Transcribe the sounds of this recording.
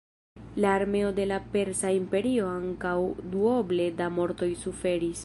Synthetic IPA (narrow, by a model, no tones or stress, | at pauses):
laːɾme̞o̞de̞lape̞ɾsaimpe̞ɾio̞aŋkawduoble̞damo̞ɾt̪o̞jsufe̞ɾis